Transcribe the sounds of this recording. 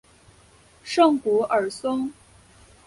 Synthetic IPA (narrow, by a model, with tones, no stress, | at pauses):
ʂɤ˥˩ŋku˧˥ʔə˞˨˩sə˥ŋ